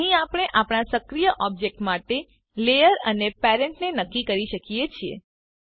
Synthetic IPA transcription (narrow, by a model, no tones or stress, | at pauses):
ɦĩapəɽ̃eʔapɽ̃asəkɾijəʔɔb̚d͡ʒek̚ʈmaʈe | lejəɾənepeɾeɳʈnenəkːikəɾiʃəkijet͡ʃʰiḛ